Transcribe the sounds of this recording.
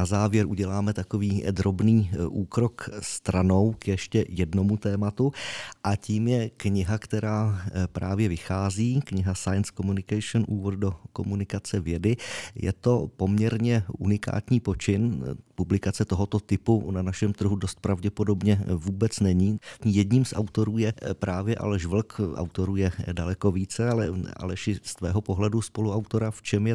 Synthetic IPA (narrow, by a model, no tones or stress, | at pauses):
nazaːvjɛɾʔuɟɛlaːmɛt̪ako̞viːd̪ɾo̞bniːʔuːkɾo̞kst̪ɾano̞wkjɛʃcɛjɛdno̞mut̪ɛːmat̪uʔaciːmjɛkɲɪɦakt̪ɛɾaːpɾʔaːvjɛvɪxaːziːkɲɪɦasajnskomunɪkajʃonʔuːvod̪̚do̞ko̞̰munɪkat͡sɛvjɛdɪjɛ̰t̪o̞po̞mɲɛɾɲɛʔunɪka̰ːt̪ɲiːpo̞t͡ʃɪnpublɪkat͡sɛt̪o̞ɦo̞t̪o̞t̪ɪpunanaʃɛmt̪r̩ɦudost̪̚pɾavɟɛpo̞do̞bɲɛvuːbɛt͡snɛɲiːɲijɛdɲiːmsʔa̰wt̪o̞ɾuːjɛpɾaːvjɛʔa̰lɛʃvl̩kʔa̰wt̪o̞ɾuːjɛdalɛko̞viːt͡sɛalɛa̰lɛʃɪst̪vɛ̰ːɦopo̞ɦlɛduspo̞luawt̪o̞ɾaft͡ʃɛmjɛ